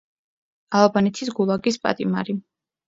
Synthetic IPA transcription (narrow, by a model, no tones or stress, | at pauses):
alˠbanɛt̪ʰisɡulˠaɡispʼa̰t̪ʼima̰ɾi